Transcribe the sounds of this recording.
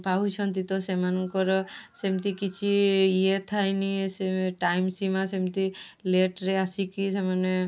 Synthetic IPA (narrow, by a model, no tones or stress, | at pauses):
paɦut͡ʃʰɔnt̪it̪ɔsemankɔɾɔsemt̪ikit͡ʃʰiiet̪ʰajniseʈajmsimasemt̪ileʈɾeasikisemane